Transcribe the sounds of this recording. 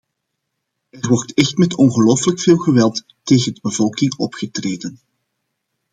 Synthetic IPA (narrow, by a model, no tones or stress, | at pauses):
ɛrwɔrtɛxtmɛtɔnɣəloːfələkfeːlˠɣəʋɛlˠtːeːɣədəbəvɔlˠkɪŋɔ̰pxətreːdən